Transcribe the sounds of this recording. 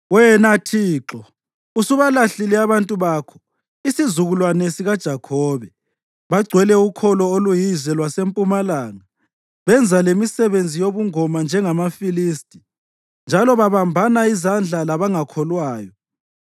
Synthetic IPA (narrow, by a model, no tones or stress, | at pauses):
wɛnatʰiːǁɔ | usuβalaɬilɛaβantʼuβaːkʰɔ̥ | isizuɣulwanesiɣad̥ʒ̥ʱakʰɔːβɛ | βaɡ͡ǀʱwɛlɛukʰɔlɔolujizɛlwasempʼumalaːŋa | βɛnd͡zʱalemisɛβend͡zʱijoβuŋɔmand͡ʒʱɛŋamafiliːstʼi̥ | nd͡ʒʱalɔβaβambʱanaizand͡ɮʱalaβaŋakʰɔlwaːjɔ